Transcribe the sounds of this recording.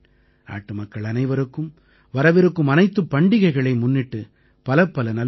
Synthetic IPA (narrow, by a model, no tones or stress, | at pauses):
a̰ːʈːɯmɐkːɐɭɐnɐɪʋɐɾɯkːɯm | ʋɐɾɐʋɪɾɯkːɯmɐnɐɪt̪ːɯpːɐɳɖɪɣɐɪɣɐɭɐɪmʊnːɪʈːɯ | pɐlɐpːɐlɐnɐl